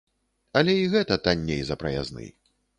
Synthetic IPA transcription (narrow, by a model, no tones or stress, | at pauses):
ɐlʲɛiɣɛt̪ɐt̪anʲːejzɐpɾɐja̰znɨ̰j